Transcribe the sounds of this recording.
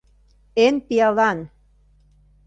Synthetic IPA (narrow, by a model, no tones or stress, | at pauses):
enpiɑlɑn